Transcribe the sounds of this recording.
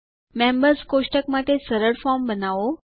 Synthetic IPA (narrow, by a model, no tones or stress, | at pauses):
mẽmbəɾskoʃʈəkmaʈesəɾəɾfɔɾmbənaʋo